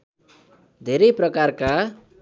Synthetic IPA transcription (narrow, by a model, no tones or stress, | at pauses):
d̪ʱeɾʌjprʌkarka